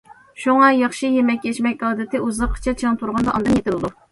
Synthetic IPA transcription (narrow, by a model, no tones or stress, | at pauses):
ʃuŋɑjɑχʃijemɛk̚ʲkʲɛt͡ʃmɛkʲɑːd̪ɪt̪ʰɪuzəqʰːə̥t͡ʃʰɛt͡ʃʰit̪ʰuɾʁɑnd̪ɑʔɑ̰nd̪ɨnjet̪ɪlɨd̪u